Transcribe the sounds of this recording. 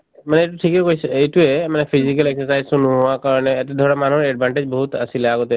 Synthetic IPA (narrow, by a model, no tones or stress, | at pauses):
manɛetuʈʰikɛkojsetuɛmanɛpʰizikəleksəsajzsunuɦʊwakaɹɔnɛːt̪ɛd̪ʱɔɹamanuɦɔɹɛɖ̚bʱaɳʈed͡ʒbɔɦut̪asilɛaɡot̪ɛ